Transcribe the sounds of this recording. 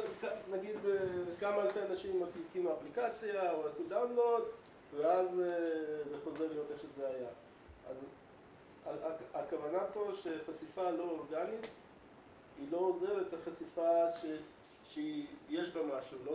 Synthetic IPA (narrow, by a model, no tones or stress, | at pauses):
kanaɡid̪ekamaːlfeanaʃimaivkinuaplikat͡sjaoasud̪awndlo̞d | veaz | ze̞χo̞zeʁlejo̞t̪eχʃezeaja | a̰z | aakavanapo̞ʃe̞χasifalo̞oʁɡanit̪ | ilo̞ozeʁeteχasifaʃe | ʃeijeʃbamaʃulo